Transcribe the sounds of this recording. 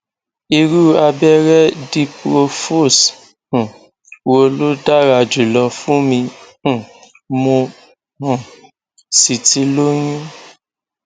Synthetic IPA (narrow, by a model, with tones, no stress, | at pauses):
i˧ɾu˦a˧bɛ˦ɾɛ˦di˧pɾo˧fo˦˨s̩˨ | wo˧˨lo˦da˦ɾa˧˨d͡ʒu˨lɔ˧fũ˦mĩ˧˨ | mõ˧ | hã˨ | si˨ti˧˦lo˦ɲũ˦